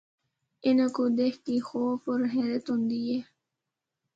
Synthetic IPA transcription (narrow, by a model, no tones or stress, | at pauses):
ɪnəkod̪eːkkixoːfɔɾɦɛːɾət̪ɦʊ̃nd̪ieː